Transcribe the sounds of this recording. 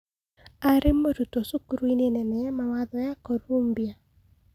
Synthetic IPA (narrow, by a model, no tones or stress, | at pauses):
aɾemoɾut̪osukuɾuinenɛnɛɛmawaðɔjakoɾombia